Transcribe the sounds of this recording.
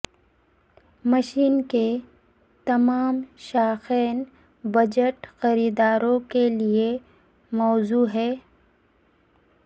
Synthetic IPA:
mɐʃiːnke | t̪ɐmaːmʃaːxɛːn | bɐd͡ʒəʈxɐɾiːd̪aːɾõkelie | mɔːzuːɦɛː

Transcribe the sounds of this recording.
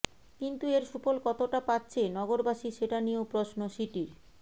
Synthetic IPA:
kint̪ueɾʃupolkɔt̪oʈapat̪ːɕʰenɔɡoɾbaʃiʃeʈaniopɾosnoʃiʈiɾ

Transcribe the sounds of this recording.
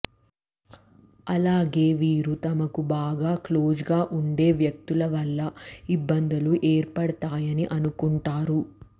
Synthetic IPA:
ɐlaːɡe̞ːʋiːɾut̪ɐmɐkubaːɡaːklo̞ːd͡ʒɡaːʔuɳɖe̞ːʋjɐk̚t̪ulɐʋɐlːɐibːɐnd̪ɐluʔeːɾpɐɽɐt̪aːjɐniʔɐnukuɳʈaːɾu

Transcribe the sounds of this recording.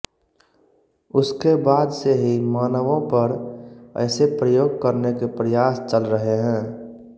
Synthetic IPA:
ʊskebaːd̪seɦimaːnəʋõpəɾə̰ɪsepɾəjoːɡ̚kəɾnekepɾəjaːst͡ʃəlɾəɦeɦɛ̃ː

